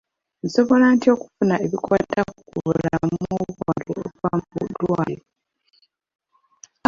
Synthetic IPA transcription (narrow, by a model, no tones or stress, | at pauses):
nso̞βo̞lantio̞ku̥funaeβikwaːtakukuβulamoβwaːluo̰waːmbṵdwaːlo